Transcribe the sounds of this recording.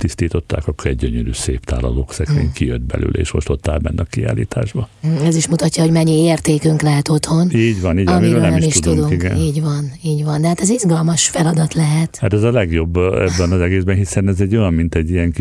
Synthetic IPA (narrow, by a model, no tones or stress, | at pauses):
t̪ist̪iːt̪o̞t̪ːa̰ːkɒkːoɾɛɟ̚ɟøɲøɾy̰ːseːpt̪a̰ːlɒ̰loːksɛkʋḛːɲkijød̪bɛ̰lʔy̰ːlʔɛ̰ḛːʃmo̞ʃt̪o̞t̪ːaːlbɛ̰nːɛɒkia̰ːlḭːt̪ʰa̰ːʒbɒɛziʃmut̪ɒcːɒɦoɟmɛɲːieːrt̪eːkyŋklɛɦɛt̪o̞t̪ho̞niːɟʋɒniːɟɒmiɾøːlnɛmiɛmʃitʃtudt̪uŋd̪uŋikɛ̰niːɟʋɒniːɟʋɒnd̪ɛhaːt̪ɛzizɡɒlmɒʃfɛlɒd̪ɒt̪lɛɦɛt̪haːt̪ɛzɒlɛɡjo̞bːɛbːɛnɒzɛɡeːzbɛnɦisɛnɛzɛɟo̞jɒmmint̪ɛɟːijɛŋ